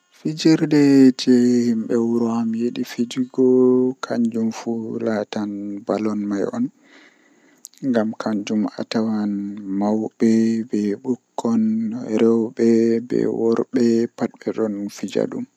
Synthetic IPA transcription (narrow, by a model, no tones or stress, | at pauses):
fid͡ʒiɾdɛd͡ʒɛhimbɛwuɾɔhamjeɗifid͡ʒiɡɔkʰaɲd͡ʒumfulatanbalɔnmajɔ̰n | ŋɡamkʰaɲd͡ʒuma̰tawanmawbɛbɛɓukʰːɔnɾɛwbɛbɛ̰wɔɾbɛpat̚bɛɗɔnfid͡ʒa̰ɗum